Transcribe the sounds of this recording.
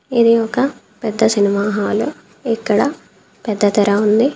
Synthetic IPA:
id̪iɔkɐ | pɛd̪ːɐsiniʋaːɦaːlu | ɛkːɐɽɐ | pɛd̪ːɐt̪ɐɾɐund̪i

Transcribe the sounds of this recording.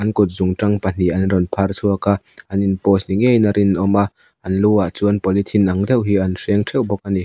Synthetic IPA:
ʔɐnkʊt̪̚zʊŋʈɐŋpɐn̥iʔɐnrɔnpʰɐrt͡sʰuakaʔɐninpɔːsniŋejnaɾʔinʔɔmaʔ | ɐnluaʔt͡suənpɔlit̪ʰinʔɐŋd̪ɛwɦiɐnsɛŋtʰɛwbɔk̚ani

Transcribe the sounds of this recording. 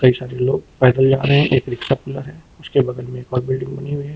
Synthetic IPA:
kɐisaːɾeloːɡpɛːd̪əld͡ʒaːɾɐɦɛ̃ʔeːkɾɪksapʊləɾɦɛː | ʊskebɐɡəlmẽeːkɔːɾbɪlɖɪ̃ŋɡbɐniɦʊiɦɛː

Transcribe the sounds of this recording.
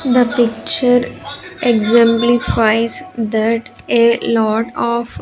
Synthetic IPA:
d̪əpɪk̚t͡ʃəɾeɡzɛ̃mplifaɪzd̪æʈ | elɔːʈɔːf

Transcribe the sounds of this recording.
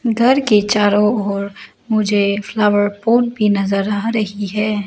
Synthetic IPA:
ɡʱɐɾket͡ʃaːɾõɔːɾ | mʊd͡ʒʱeflaːʋəɾpoːnbʱinɐzəɾaɦɾɐɦiɦɛː

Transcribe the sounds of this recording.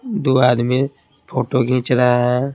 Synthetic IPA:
d̪uad̪mi | pʰoʈoɡĩt͡ʃɾa

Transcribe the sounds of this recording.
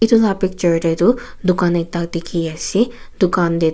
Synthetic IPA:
id̪ut̪apik̚t͡ʃɐɾʈeid̪u | d̪ukaːnɐt̪ːaːkt̪ikʰijɐsi | d̪ukaːnd̪e

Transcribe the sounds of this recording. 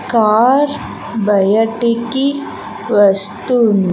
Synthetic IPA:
kaːɾ | bɐjaʈiki | ʋɐst̪un

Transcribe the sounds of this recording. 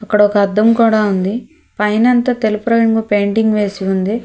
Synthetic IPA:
ɐkːɐɽɔkɐɐd̪ːɐmkuːɽaːund̪i | pɐjnɐnt̪ɐt̪elupɾɐjɐŋɡupeːɳʈiŋɡʋe̞ːsiund̪i

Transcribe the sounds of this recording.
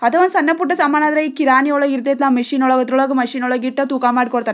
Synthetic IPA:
ɐd̪ɐʋɐnsɐnːɐpuʈːɐsaːmaːnad̪ɾɐikiɾaːnijɔɭɐɡiɾt̪ːeːt̪lamɐʂiːnɔɭɐɡɐt̪ɾuɭɐɡɐmɐʂiːnɔɭɐɡiʈːɐt̪uːkaːmaːɽikɔɽt̪aːɾe

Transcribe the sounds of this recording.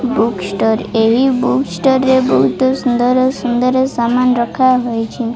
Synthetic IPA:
buksʈɔɾeɦibuksʈɔɾːebɔɦut̪ɔsund̪ɔɾsund̪ɔɾesamanɾɔkʰaɦɔjt͡ʃʰi

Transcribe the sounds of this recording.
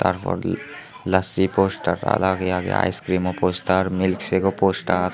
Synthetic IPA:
t̪aɾpɔ̰ɾ | lasiposʈaɾta̰laɡeaɡḛa̰jskɾimoposʈaɾmilkseɡoposʈa

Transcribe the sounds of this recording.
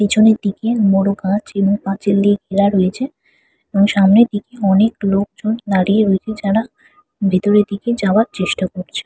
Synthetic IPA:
ed͡ʑʰoneɾd̪ikemɔɽoɡãt͡ɕeboŋpãt͡ɕilːiɡiɾaɾoet͡ɕʰe | eboŋʃamned̪ikeɔneklok̚d͡ʑonːaɽieɾoet͡ɕʰed͡ʑaɾa | bʱit̪oɾed̪iked͡ʑaaɾt͡ɕeʃʈakoɾt͡ɕʰe̥

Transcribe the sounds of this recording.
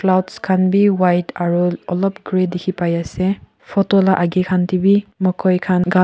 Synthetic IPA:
plawtskʰanbiwajtaɾuɔlɔp̚ɡɾedikʰipajase | pʰɔtolaʔaɡikʰantibimɔkʰɔjkʰanɡa

